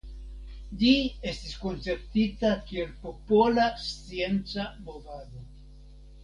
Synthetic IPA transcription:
ʎie̞stisko̞nt͡se̞ɾtitakie̞lpo̞po̞last͡sie̞nt͡samo̞vado

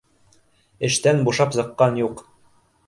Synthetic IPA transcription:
ɘ̆ʃt̪ænbuʃɑpzɤ̆qːɑnjuq

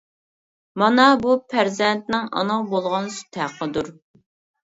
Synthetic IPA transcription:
mɑnɑbupʰæɾzɛnt̪̚nɪŋɑ̰nəʁbolˠʁɑnsy̥t̪ʰæqʰːəd̪uɾ

